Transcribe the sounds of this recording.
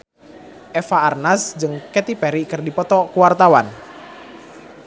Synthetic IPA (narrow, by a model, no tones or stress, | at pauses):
ʔɛfaːrnasd͡ʒɨŋkɛt̪ipɛɾikɨrdipɔt̪ɔkuwart̪awan